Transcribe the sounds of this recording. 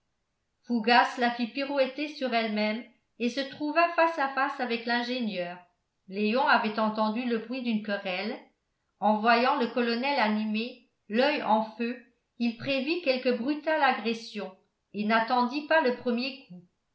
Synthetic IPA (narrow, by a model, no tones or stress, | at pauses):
fuɡaslafipyʁwɛt̪esyʁɛlmɛm | esət̪χuvafasafasavɛklɛ̃ʒenjœːʁ | lejɔ̃avɛt̪ɑ̃t̪ɑ̃d̪yləbʁɥid̪ynkɔʁɛl | ɑ̃vwajɑ̃ləkɔlɔnɛlanime | lœjɑ̃fø | ilpχevikɛlkəbʁyt̪alaɡʁesjɔ̃ | enat̪ɑ̃d̪ipaləpχəmjekʰu